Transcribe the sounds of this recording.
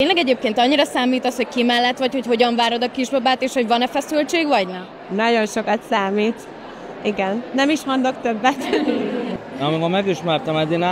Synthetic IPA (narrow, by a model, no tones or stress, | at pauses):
t̪eːnlɛɡɛɟeːp̚keːnt̪ɒɲːiɾɒsaːmiːt̪ɒsho̞ckimɛlːɛt̪ʋɒcho̞cho̞ɟɒɱvaːɾo̞d̪ɒkiʒbɒbaːt̪eːʃho̞ɟvɒnɛfɛsylt͡ʃeːɡʋɒɟnɛ | nɒɟo̞nʃo̞kɒt̪saːmiːt̪ | iɡɛnnɛmiʃhonlo̞kt̪øbːɛt̪ | ɒmikomɛɡiʃmɛrt̪ɒmɛd̪ina